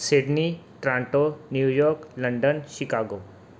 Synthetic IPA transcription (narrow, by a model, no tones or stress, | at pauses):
sɪɖniʈɾãːɳʈonjuːjɔːɾklɐ̃ɳɖənʃɪkaːɡoː